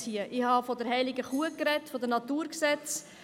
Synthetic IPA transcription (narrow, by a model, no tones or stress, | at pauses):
hiəʔɪhɑfɔdəɾɦɛɪlɪɡəχuəkɾɛtfɔd̪ənɑt̪uːɾksɛt͡s